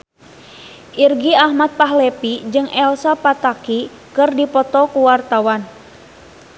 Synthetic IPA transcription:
ʔirɡiahmat̪̚paɦlɛpid͡ʒɨŋɛlsapat̪aki | kɨrdipɔt̪ɔkuwart̪awan

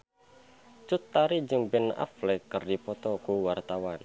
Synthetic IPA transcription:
t͡ʃut̪ːaɾid͡ʒəmbɪna̰flekərdipɔt̪ɔkuwart̪awan

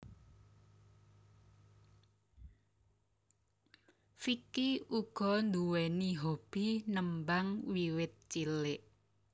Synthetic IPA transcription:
fikiuɡ̥ɔ̤nd̪uwɛniɦob̥inəmbaŋwiwɪt̪̚t͡ʃilɪʔ

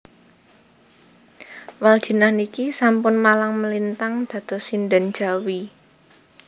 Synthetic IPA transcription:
wald̥ʒ̥ə̤nahnikisampʊnmalaŋməlint̪aŋd̪̥ä̤d̪̥ɔ̤sindan̥d͡ʒ̥a̤wi

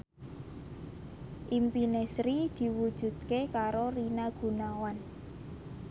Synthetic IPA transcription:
ʔimpinesɾid̪̥i̤wud̥ʒ̥ṳd̪̥̚kekaɾorinaɡ̥ṳnawan

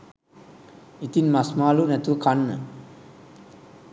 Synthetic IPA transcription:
it̪inmasmaːlunɛt̪uʋəkanːə

